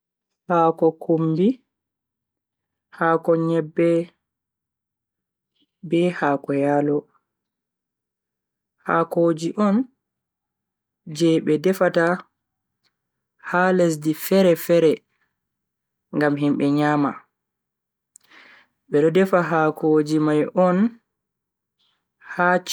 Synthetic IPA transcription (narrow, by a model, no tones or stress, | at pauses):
haːkɔkumbi | haːkɔɲɛbːɛ | bɛhaːkɔjalɔ | ha̰koːd͡ʒiʔɔn | d͡ʒɛɓɛdɛfata | hales̬difɛɾɛfɛɾɛ | ŋɡamɦimɓɛɲaːma̰ | ɓɛɗɔdɛfaɦakʰod͡ʒimajʔɔn | hat͡ʃ